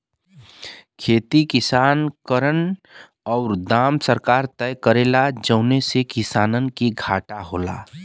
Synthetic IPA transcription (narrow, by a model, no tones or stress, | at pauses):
kʰeːt̪ikɪsaːnkəɾən | ɔːɾd̪aːmsəɾkaːɾt̪ɛjkəɾeːlad͡ʒəʊnesekɪsaːnənkiɡʱaːʈaɦoːla̰ː